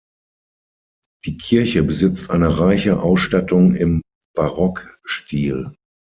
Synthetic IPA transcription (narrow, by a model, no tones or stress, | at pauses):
d̥iːkʰɪɐçəbəzɪt͡stʔaɪnəʁaɪçəʔaʊsʃtatʊŋɪm | b̥aʁɔkʃtʰiːl